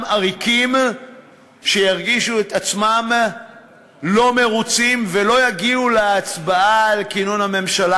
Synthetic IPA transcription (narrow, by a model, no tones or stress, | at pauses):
maʁikim | ʃe̞jaʁɡiʃuet̪at͡smam | lo̞me̞ʁut͡simve̞lo̞jaɡiuleat͡sbaaːlkinonhame̞mʃala